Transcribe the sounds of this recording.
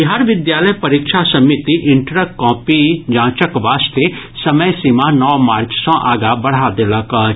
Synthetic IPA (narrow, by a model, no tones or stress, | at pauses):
ɪɦaɾʋɪd̪jaːləjpɐɾikʃʰasɐmɪt̪iʔɪ̃ɳʈɾəkɔ̃ːpid͡ʒãːt͡ʃəkʋaːst̪e | sɐməjsɪmanɔːmaːɾt͡ʃsɔ̃ʔaːɡabɐɽ̤ad̪eləkː